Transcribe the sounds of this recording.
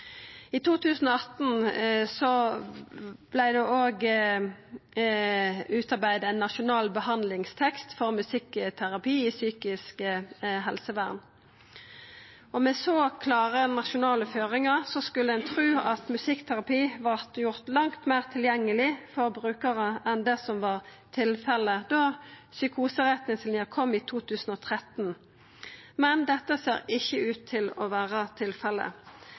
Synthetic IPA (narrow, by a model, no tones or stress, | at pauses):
it̪ʰuːt̪ʰʉːsən̩ɔɑt̪n̩sɔ | b̥læɪd̪ɛʔoːɡ | ʉːt̪ɑʁbæɪd̪ɛnːɑʃʊnɑːlbəhɑnd̪lɪŋst̪ʰɛkst̪fɔʁmʉsɪkt̪ʰæʁɑpʰiːisyːkɪskəɦɛlsəʋæːʁn | ɔmɛsoːkʰlɑːʁənɑʃʊnɑːləføːʁɪŋəʁsɔskʉlːəænt̪ʰʁʉːɑt̪mʉsɪkt̪ʰæʁɑpiːʋɑʁt̪jʊʁt̪lɑŋt̪mæːʁt̪ʰɪljɛŋːəlɪfɔʁbʁʉːkəʁəɛnd̪ɛsɔmʋɑːʁ | t̪ʰɪlfɛlːəd̪osʏkʰuːsəʁɛt̪nɪŋslɪəʁkʰɔmːiːt̪ʰuːt̪ʰʉːsn̩ɔːt̪ʰʁɛt̪n | mɛnd̪ɛt̪ːəseːʁɪçːəʉːt̪ʰːɪlɔʋæːʁət̪ʰɪlfɛlːə̰